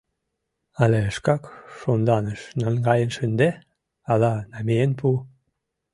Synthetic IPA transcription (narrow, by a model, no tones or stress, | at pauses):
ɑleəʃkɑkʃond̪ɑnəʃnɑnɡɑjənʃənd̪e | ɑlɑnɑmeenpu